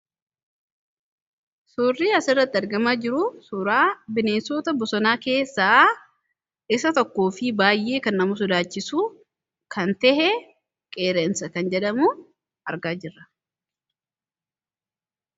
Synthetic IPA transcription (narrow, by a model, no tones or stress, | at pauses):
suːrːiːɐsɪrːɐt̪ːɪɐɾɡɐmaːd͡ʒɪɾʊsʊɾaːbɪneːnsoːt̪ɐbɔsɔnaːke̞ːsːaː | ɪsɐt̪ɔkːo̞ːfɪbaːjːe̞ːkɐnːɐmʊs̬ʊd̪aːt͡ʃːɪsuː | kɐnt̪ɛhɛ | kʼeːɾɛnsɐkɐnd͡ʒɛᶑɐmuː | ɐɾɡaːd͡ʒɪrːɐ